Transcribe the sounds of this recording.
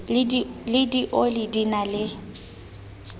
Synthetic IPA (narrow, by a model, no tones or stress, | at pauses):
lɪdiʔolɪdinalɪ